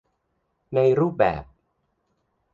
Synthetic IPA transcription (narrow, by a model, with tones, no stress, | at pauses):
na˧jɾuː˥˩p̚bɛ̰ː˨˩p̚